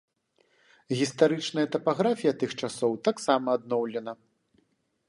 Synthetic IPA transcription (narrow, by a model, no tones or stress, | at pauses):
ɣʲist̪aɾɨt͡ʂnɐjɐt̪ɐpaɣɾafʲijɐt̪ɨxt͡ʂasɔwt̪aksamɐːd̪nɔwlʲɛnɐ